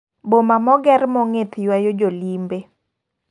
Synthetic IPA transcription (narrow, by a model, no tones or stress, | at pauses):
bomamɔɡɛɾmɔŋɪt̪jwajod͡ʒolimbe